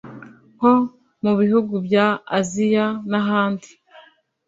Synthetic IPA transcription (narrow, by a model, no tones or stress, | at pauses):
ho̞ | muβihuɡubjaːzijanaɦaːndi